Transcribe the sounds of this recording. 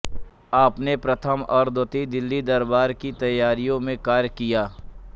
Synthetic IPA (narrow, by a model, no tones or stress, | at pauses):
aːpnepɾɐt̪ʰəmɔːɾd̪ot̪id̪ɪlːid̪ɐɾbaːɾkit̪ɐjːaːɾijõmẽkaːɾjkijaː